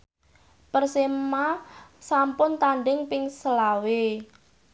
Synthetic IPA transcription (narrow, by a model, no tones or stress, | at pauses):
pərsemmasampʊnt̪aɳɖɪŋpɪŋsəlawe